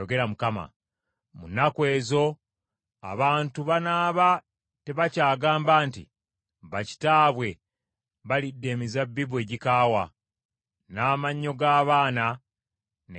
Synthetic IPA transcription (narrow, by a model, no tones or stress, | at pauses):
oɡe̞ɾamukama̰ | munakwe̞ːzo̞ | a̰βaːntuβanaːβa | te̞βacaːɡaːmbaːntḭ | βaci̥taːβwe̞ | βalidːe̞mizabːiβwe̞ːɟikaːwa | naːmaɲːo̞ɡaːβaːna | n